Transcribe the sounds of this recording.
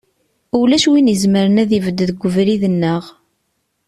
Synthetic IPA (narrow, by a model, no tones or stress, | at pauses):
ulæʃwinizməɾənæðivəd̪ːðəɡʷːəvɾiðənːəʁ